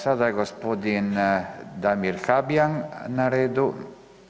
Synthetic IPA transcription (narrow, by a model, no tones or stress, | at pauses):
sad̪ajɡospod̪ind̪amiɾxabjaŋnaɾed̪u